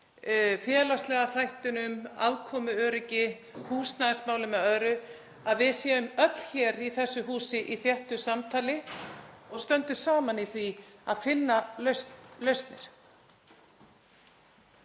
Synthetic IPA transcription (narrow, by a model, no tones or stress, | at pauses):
fjɛːlast̪lɛːɣaθajht̪ʏnʏma̰vkʰɔːmʏœːɾɪcɪ | huːsnaðɪsmaːwlʏmɛðœðɾʏ | aðvɪðsjɛːʏmœt̪l̥çɛɾiθɛsːʏɦuːsɪʔiθjɛht̪ʏsamt̪ʰaːlɪ | ɔɣst̪œnt̪ʏɾ̥saːmaniθviaðfɪnːalœslœɥst̪nɪɾ̥